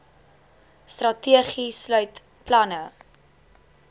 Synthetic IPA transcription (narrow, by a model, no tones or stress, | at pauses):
strɐtiəχislœɥt | plɐnə